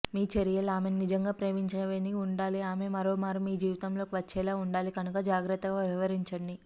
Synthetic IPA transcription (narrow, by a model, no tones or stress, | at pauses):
miːt͡ʃɐɾijɐlaːme̞nnid͡ʒɐŋɡaːpɾeːʋiɲt͡ʃɐnɐʋeːniuɳɖaːliaːme̞mɐɾoːmaːɾumiːd͡ʒiːʋit̪ɐmlo̞ːkiʋɐt͡ʃːɛːlaːuɳɖaːlikɐnukɐd͡ʒaːɡɾɐt̪ːɐɡaːʋiʋɐɾiɲt͡ʃɐɳɖi